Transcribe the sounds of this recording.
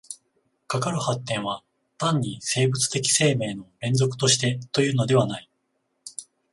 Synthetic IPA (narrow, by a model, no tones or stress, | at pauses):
kakaɾɯ̟hat̪ːẽ̞ɰ̃βa | t̪ãɲ̟ːise̞ːbɯ̟t͡sɨ̥t̪e̞kʲi̥se̞ːme̞ːno̞ɾẽ̞nzo̞kɯ̟̥t̪o̞ɕi̥t̪e̞t̪o̞jɯ̟ːno̞d̪e̞β̞anai